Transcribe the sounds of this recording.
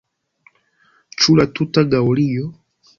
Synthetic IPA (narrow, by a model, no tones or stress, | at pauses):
t͡ʃulatutaɡaɔlijɔ